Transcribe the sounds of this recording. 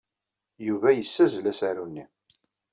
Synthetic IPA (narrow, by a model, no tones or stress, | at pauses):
juvæjəsːæzlæsæɾunːi